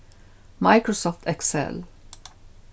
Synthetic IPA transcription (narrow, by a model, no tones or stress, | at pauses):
mɑɪkɹɔsɔft̪ɛksɛ̰l